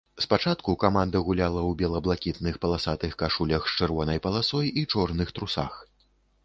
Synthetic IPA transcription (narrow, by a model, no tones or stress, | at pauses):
spat͡ʂat̪kukamand̪ɐɣulʲalˠɐwbʲɛlˠɐblˠakʲit̪nɨxpɐlˠasat̪ɨxkaʂulʲɐxt͡ʂɨrvɔnɐjpɐlˠasɔjit͡ʂɔrnɨxt̪ɾusa̰x